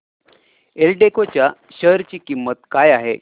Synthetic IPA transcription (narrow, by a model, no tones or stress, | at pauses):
elʈekot͡ɕja | ɕəɾt͡ɕiːkimːət̪kajaɦe